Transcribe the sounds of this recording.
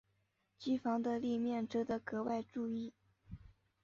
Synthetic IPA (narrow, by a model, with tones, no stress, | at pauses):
t͡ɕi˥fɑ˧˥ŋd̪ə˧li˥˧mjɛ˥˩nʈ͡ʂɤ˥d̪ə˧kɤ˧˥wa˥˧ɪʈ͡ʂu˥˧i˥˩